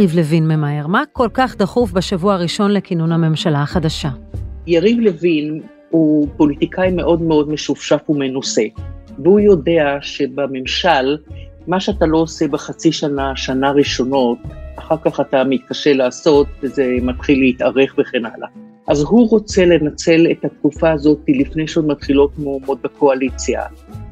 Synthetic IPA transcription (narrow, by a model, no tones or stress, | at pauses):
ivlevinmemaeʁmako̞lkaχd̪aχufbaʃavuaaʁiʃo̞nlekinunhame̞mʃalaːχadaʃajaʁivle̞vin | hupo̞lit̪ikʰajme̞ʔo̞dmeo̞dme̞ʃufʃafume̞nuse̞vehujo̞de̞aʃe̞bame̞mʃalmaʃeatalo̞ːse̞beχat͡siʃanaʃanaʁiʃo̞no̞taχaʁkaχatamit̪̚kaʃe̞laːso̞tezemat̪χilːeit̪aʁe̞χveχe̞na̰la̰ | ʔazɦuʁo̞t͡se̞le̞nat͡se̞lethat̪kufaːzo̞t̪ilifne̞jʃeo̞dmat̪χilo̞t̚mumod̪̚bekʰo̞alit͡sja̰